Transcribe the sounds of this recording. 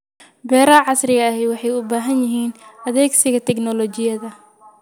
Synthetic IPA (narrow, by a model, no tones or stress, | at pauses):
bɛːɾɐʕɑsrɪɣɐːɦɛjwɑħɑjʊbaːɦɐnjɪɦiːnʔɐðɛːɡsɪɣɐt̪ʰɛɡnɔlɔt͡ʃɪjɐðɐ